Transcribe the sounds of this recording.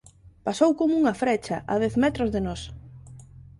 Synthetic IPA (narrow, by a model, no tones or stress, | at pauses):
pasowkomʊuŋɐfɾɛt͡ʃɐ̰ʔɐðɛθmɛt̪ɾozðenɔs